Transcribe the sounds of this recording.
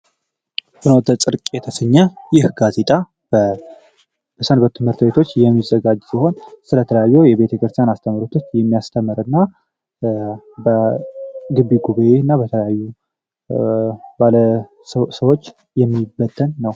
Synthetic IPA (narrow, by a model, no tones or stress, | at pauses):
sɨnot̪ʰət͡sʼɨɾkʼɛt̪ʰəsəɲːajɪhɡaze̞t̪ʼa | bə | bəsənbət̪ʰɨmhɨɾt̪be̞t̪ʰo̞t͡ʃːjɛmːizəɡad͡ʒsiɦo̞nsɨlət̪ʰələjajːɛwjɛβe̞t̪ʰəkɨɾt̪ʰjanast̪ʰəməɾut̪ʰot͡ʃjɛmːijast̪ʰəməɾɨnːa | bə | ɡɨbiɡuβaʔeɨnːabət̪ʰələjajːu | balə | səwo̞t͡ʃː | jɛmːibət̪ʰːənːəw